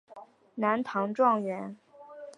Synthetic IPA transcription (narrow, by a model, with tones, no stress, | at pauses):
na˧˥nt̪ʰɑ˧˥ŋʈ͡ʂwɑ˥˩ŋɥɛ˧˥n